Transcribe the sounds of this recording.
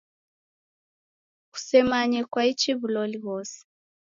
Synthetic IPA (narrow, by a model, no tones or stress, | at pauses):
ku̥sɛmaɲɛkwait͡ʃiβulɔliβɔsi̥